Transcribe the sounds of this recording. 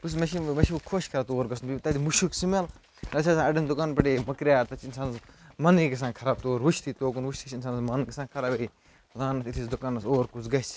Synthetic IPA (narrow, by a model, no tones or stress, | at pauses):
us̬mɐʃimmɐʃikʰoʃkʰɐɾat̪oːɾɡɐsnubit̪ɐd̪imuʃuksimel | nɐt͡ʃʰasaɐɖɐnd̪ukaːnpɐʈemɐkɾʲjaːɾt̪ɐt͡ʃʰinsaːnsmɐniɡɐs̬ãːkʰɐɾaːb̚t̪oːɾʋut͡ʃʰt̪ʰit̪oːk̬unʋut͡ʃt̪ʰit͡ʃʰinsaːnsmɐnkɐsãːkʰɐɾabei | zaːnɐt̪it̪ʰisd̪ukaːnːɐsoːɾkut͡sɡɐsʲ